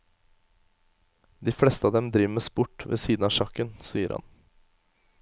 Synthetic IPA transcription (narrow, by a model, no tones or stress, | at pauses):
d̪iːfɽɛst̪əɑːd̪ɛmd̪ɾɪməsbʊʈʋḛːsiːd̪nɑːʃɑkənsiːəɾhɑ̰n